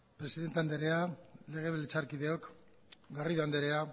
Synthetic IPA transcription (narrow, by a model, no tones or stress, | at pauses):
pɾe̞siðe̞nt̪eand̪eɾe̞ale̞ɣe̞βelet͡saɾkiðe̞o̞k | ɡariðuand̪eɾe̞a